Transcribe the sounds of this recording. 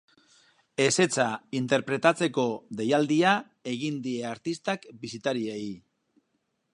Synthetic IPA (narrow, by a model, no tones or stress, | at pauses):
e̞se̞t͡saint̪e̞ɾpɾe̞t̪at͡se̞ko̞ðe̞jald̪ia | e̞ɣind̪ie̞aɾt̪ist̪akbisit̪aɾiej